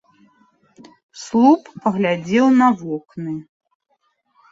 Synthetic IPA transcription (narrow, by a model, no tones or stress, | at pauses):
slˠuppɐɣlʲad͡zʲɛwnɐvɔknɨ